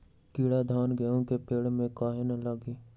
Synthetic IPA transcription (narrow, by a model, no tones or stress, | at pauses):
kiːɽad̪ʱaːnɡəjõkepeːɽmẽkaːɦenəlaɡiː